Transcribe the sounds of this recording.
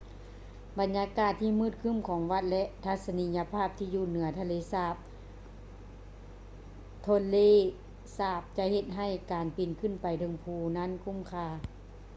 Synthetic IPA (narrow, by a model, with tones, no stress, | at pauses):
ba˨njaː˧˦kaː˧˩t̪ʰːiː˧˨mɯː˧˥˩t̪̚kʰɯ˧˥˨mkʰɔː˨˦ŋʋa˧t̪̚lɛ˧ʔt̪ʰa˧t̪̚sa˧ni˧˥ɲa˧pʰaː˧˥˩p̚t̪ʰiː˧˨juː˧˩˨nɯ˨˦ɐt̪ʰa˧leː˧˦saː˧˩p̚ | t̪ʰo˧˥˨leː˧˥˨ | saː˧˩p̚t͡ɕa˧he˧t̪̚ɦa˧˩jkaː˨npi˨˩nkʰɯ˧˥˨npa˨jt̪ʰɤ˨˧˦ŋpʰuː˧˩na˧˥˨nkʰu˧˥˨mkʰaː˧˩˨